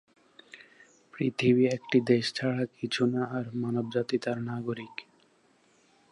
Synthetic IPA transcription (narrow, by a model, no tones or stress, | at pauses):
pɾit̪ʰibiekʈid̪eʃt͡ɕʰaɽakit͡ɕʰunaːɾmanobd͡ʑat̪it̪aɾnaɡoɾik